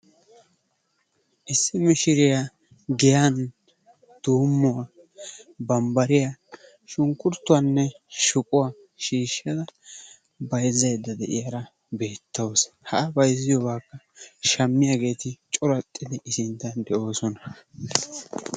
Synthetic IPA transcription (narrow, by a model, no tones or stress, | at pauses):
ʔɪsːɪmɪʃɪɾɪja | ɡɪjan | d̪̥uːmːʊwa | bɐmbɐɾɪja | ʃʊŋkʼːʊɾt̪ːʊwanːɛʃʊkʼʊwa | ʃiːʃːɐd̪ɐ | bɐjzːɐjd̪ːɐd̪ɛ̰ʔɪ̰jɐɾɐ | be̞ːt̪ːɐwshɐʔːbɐjzːɪjɔbaːkːɐ | ʃɐmːɪjaɡe̞ːt̪ɪt͡ʃʼʊɾɐt̪ʼːɪd̪ɪʔɪsɪnt̪ːɐnd̪ɛʔo̞ːsɔnɐ